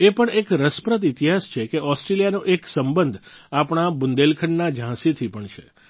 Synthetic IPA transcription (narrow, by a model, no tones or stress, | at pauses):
epəɳekɾəspɾət̪ɪt̪iɦast͡ʃʰekeʔɔsʈɾelijanoʔeksəmbənd̪ʱapɳ̃abʊnd̪elkʰəɳnad͡ʒʱãsit̪ʰipəɳt͡ʃʰḛ